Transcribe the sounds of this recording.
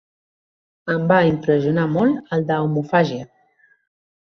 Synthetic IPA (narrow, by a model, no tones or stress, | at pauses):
əmbaimpɾəziunamɔləld̪əwmufaʒiə